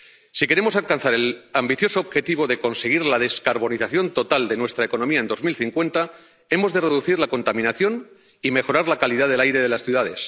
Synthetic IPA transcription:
sike̞ɾe̞mo̞salkanθaɾe̞lambiθjo̞soːβxe̞t̪iβ̞o̞ðe̞ko̞nse̞ɣ̞iɾlaðe̞skaɾβo̞niθaθjo̞nt̪o̞t̪ald̪e̞nwe̞st̪ɾaeko̞no̞miae̞nd̪ozmilθiŋkwe̞nt̪a | e̞mo̞zðere̞ðuθiɾlako̞nt̪amĩnaθjo̞n | ime̞xo̞ɾaɾlakaliðaðe̞lajɾe̞ðe̞lasθjuðaðe̞s

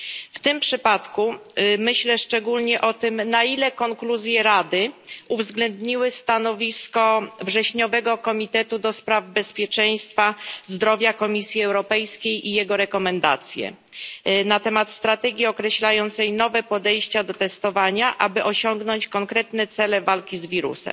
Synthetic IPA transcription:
ft̪ɘmpʂɘpat̪kumɘɕlɛʂt͡ʂɛɡulɲɛʔɔt̪ɘmnailɛkɔŋkluzʲjɛɾad̪ɘuvzɡlɛnd̪ɲiwɘst̪anɔvʲiskɔvʐɛɕɲɔvɛɡɔkɔmʲit̪ɛt̪ud̪ɔspɾavbɛspʲjɛt͡ʂɛj̃st̪fazd̪ɾɔvʲjakɔmʲisʲjiɛwɾɔpɛjskʲejʔijɛɡɔɾɛkɔmɛnd̪a̰t̪sʲjɛ̰ | nat̪ɛmat̪st̪ɾat̪ɛɡʲiɔkɾɛɕlajɔnt̪sɛjnɔvɛpɔd̪ɛjɕt͡ɕad̪ɔt̪ɛst̪ɔvaɲaʔa̰bɘʔɔɕɔŋɡnɔɲt͡ɕkɔŋkɾɛt̪nɛt̪sɛlɛvalkʲizvʲiɾṵsɛ̰m

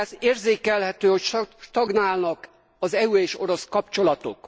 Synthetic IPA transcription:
zeːrzeːkɛlhɛt̪øːhocʃʃt̪ɒɡnaːlnɒk | ɒzɛueːʃo̞ɾo̞skɒp̚t͡ʃo̞lɒt̪o̞̰k

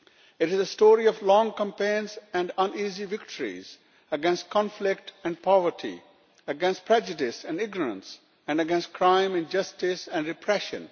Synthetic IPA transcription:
ɪʈɪzəsʈoːɾiɔʋlɔ̃ːŋkə̃mpẽɪ̃nsɛ̃ɳɖə̃niːziʋɪkʈʰəɾḭz | əɡɛ̃nsʈ̚kʰɔ̃nflɪkʈɛ̃ɳɖpʰɔʋəɾʈʰḭ | əɡɛ̃nsʈ̚pʰɾɛd͡ʒɨɖɪsɛ̃nɖɪɡnəɾə̰̃ns | ɛ̃nɖəɡɛ̃nsʈ̚kʰɾãɪ̃mɪ̃nd͡ʒʌsʈɪsɛ̃nɖɾɪpʰɾɛʃə̰̃n

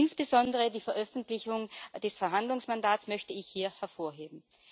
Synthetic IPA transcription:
ɪnsb̥əzɔndəʁədiːfɛɐʔœfn̩tlɪçʊŋd̥ɛsfɛɐɦandlʊŋsmandaːtsmœçtəɪçhiːɐhɛɐfoːɐɦeːbm̩

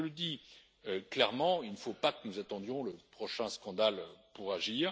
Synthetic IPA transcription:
ələd̪i | øklɛʁmɑ̃ilnəfopakənuzat̪ɑ̃d̪jɔ̃ləpχɔʃɛ̃skɑ̃d̪alpuʁaʒiːʁ

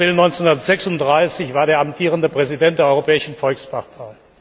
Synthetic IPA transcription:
ʁɪlnɔʏnt͡senhundɐtz̥ɛksʊntd̥ʁaɪsɪçv̥aːɐɾeːɐamtʰiːʁəndəpʁ̥ɛzidɛnt̚d̥eːɐɔʏʁopɛːɪʃn̩fɔlkspʰaʁtʰaɪ

